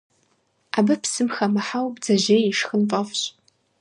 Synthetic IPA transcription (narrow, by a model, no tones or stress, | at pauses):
abɐpsɨmxɐmaħawbd͡zɐʑejiʂxənpʼɐfɕ